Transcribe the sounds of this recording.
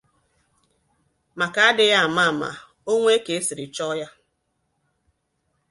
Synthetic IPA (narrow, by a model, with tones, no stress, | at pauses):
ma˨ka˨a˦dɪ˦ja˦a˨ma˦a˨ma̰˨ | o˦ŋʷe˦ke˨e˦si˨ɾɪ˨t͡ʃɔ˦ja˦